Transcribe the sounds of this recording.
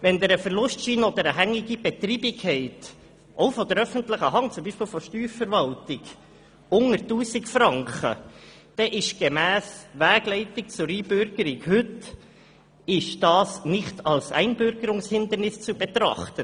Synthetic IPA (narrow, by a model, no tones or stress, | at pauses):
ʋɛnd̪əɾəfəɾlʊstʃiːnəɔd̪əɾəɦæŋːɪɡib̥ɛt̪ɾiːbɪkʰːɛɪt | ʔɔʊfɔd̥̪əɾœfəntlɪχəɦɑŋt͡sʊmbiːʃpɪːlfɔʃtyːffəɾvɑltɪɡ | ʊŋəɾtuːsɪkfɾɑŋkχə̰ | d̥ɛʔɪʃɡ̥emæːsʋæːɡ̥lɛɪtɪk̚t͡sʊɾiːbʏɾɡ̥əɾɪkhɵt | ɪʃd̥ɑːsnɪχtʰɑlsɛ̰ɪnbøɾɡəɾʊŋshɪnd̪əɾnɪst͡subɛt̪ɾɑ̰χt̪ə